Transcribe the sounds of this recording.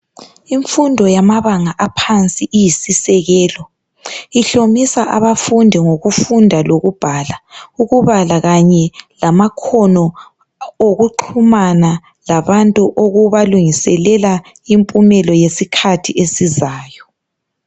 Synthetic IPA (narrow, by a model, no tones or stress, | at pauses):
iɱfundʱɔjamaβaŋaʔapʰant͡sʼiʔijisisɛɣɛːlɔ | iɬomisaʔaβafundʱiŋoɣufundʱaloɣub̥ʱalauɣuβalaɣaɲɛlamakʰɔnɔ | oɣuǃʰumana | laβantʼuʔoɣuβaluŋisɛlɛla | impʼumɛlɔjesikʰatʰiʔesizaːjɔ